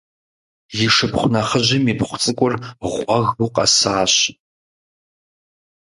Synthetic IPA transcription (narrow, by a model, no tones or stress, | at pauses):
jɪʂɨpχʷʊnɐχəʑɪmipχʷʊt͡sʼɨkʷʼʊrʁʷʼɔɣuqʼɐ̰saːɕ